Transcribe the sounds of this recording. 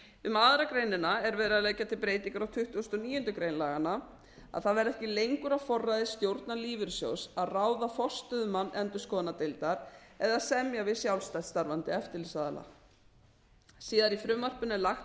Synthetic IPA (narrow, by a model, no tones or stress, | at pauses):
ʏmaːðɾakɾejnɪnaɛɾvɛːðɾɪðaleːɣcːat̪ʰɪlpɾeːjt̪iŋkaɾawt̪ʰʏht̪uːst̪ɔniːjʏnt̪ʏkɾejnlaːɣana | a̰ðθaðvɛɾɛhcɪlejŋkʏɾafɔrːajðɪst̪jowɾt̪naliːvɪɾ̥sjo̰wsaðraːwðafɔst̪ʏðʏmanːʔɛnt̪ʏskɔːnat̪ejlt̪aɾɛðaðsɛmjavɪðsjawlst̪ajt̪st̪aɾvant̪ɪɛft̪ɪɾlɪsaːðala̰ | siːðaɾifɾʏmːar̥pʏnːɪlaxt̪